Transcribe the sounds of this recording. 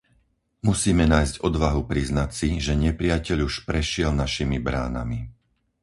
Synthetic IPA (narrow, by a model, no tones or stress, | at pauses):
musiːmɛnaːjzɟɔd̪ʋaɦupɾiznacsiʒɛɲɛpɾɪacɛʎuʃpɾɛʃɪɛlnaʃimibɾa̰ːna̰mi